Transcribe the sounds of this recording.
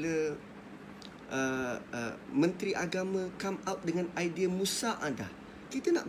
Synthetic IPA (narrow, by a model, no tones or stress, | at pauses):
lə | ʔəəmə̃nt̪ɾiʔaɡamãkamat̪̚dəŋãnajdiamũsaʔada̰h | kit̪əna̰ʔ